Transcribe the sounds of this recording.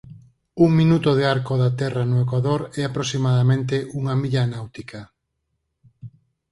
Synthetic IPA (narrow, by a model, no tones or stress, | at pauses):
uŋmĩnut̪oð̞eaɾkoðat̪ɛranoekwaðoɾɛapɾosimaðamẽnt̪eʔuŋamiʎanawt̪ikʰa